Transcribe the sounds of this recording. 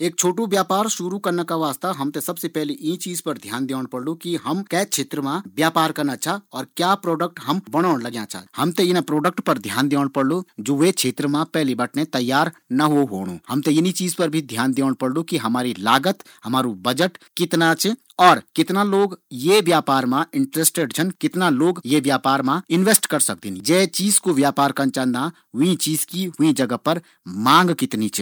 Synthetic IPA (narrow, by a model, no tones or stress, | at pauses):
eːk̚t͡ʃʰoːʈubjaːpaːɾʃʊɾukɐɾnakaʋaːst̪aɦɐmt̪esɐbsepɛɦliʔiĩt͡ʃiːzpəɾd̪ʱjaːnd̪eːɽ̃pɐɽlukiɦɐmkɛːt͡ʃʰeːt̪ɾəmãbjaːpaːɾkɐɾnat͡ʃʰaɔːɾkjaːpɾoːɖək̚ʈɦɐmbəɽ̃aːɽ̃ləɡjãt͡ʃʰa̰hɐmt̪ẽɪnãpɾoːɖəkʈpəɾd̪ʱjaːnd̪eːɽpəɽlod͡ʒoːʋet͡ʃʰet̪ɾəmãpɛɦlibəʈʰnẽt̪ɐjːaːɾnɐɦoɦoːɽ̃ṵ̃hɐmt̪eɪnit͡ʃiːzpɐɾbʱid̪ʱjaːnd̪eːɽ̃pəɽlokiɦɐmaːɾilaːɡət̪ | hɐmaːɾubɐd͡ʒəʈkɪt̪nat͡ʃʰ | ɔːɾkɪt̪naloːɡjeʋjaːpaːɾmãɪ̃ɳʈɾesʈeɖt͡ʃʰɐnkɪt̪naloːɡjeʋjaːpaːɾmãɪnʋeːsʈkɐɾsɐk̚d̪ind͡ʒɛːt͡ʃiːzkoʋjaːpaːɾkɐnt͡ʃãnd̪ã | ɦʊĩt͡ʃiːzkiɦʊĩd͡ʒɐɡəpɐɾ | mãːŋɡkɪt̪nit͡ʃʰ